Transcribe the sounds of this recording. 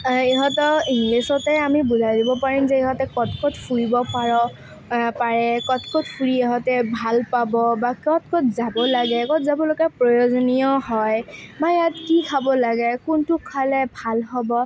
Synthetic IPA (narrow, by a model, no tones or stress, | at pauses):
eɦɔtɔiŋlisɔtɛamibuzajdibɔpaɹimzɛeɦɔtɛkɔtkɔtfʰuɹibɔpaɹɔ | paɹɛkɔtkɔtfʰuɹieɦɔtɛbʱalpabɔbakɔtkɔtʰzabɔlaɡɛkɔt̚zabɔloɡapɹɔjozɔnijɔhɔjbajatkikʰabɔlaɡɛkuntʊkʰalɛbʱalɦɔbɔ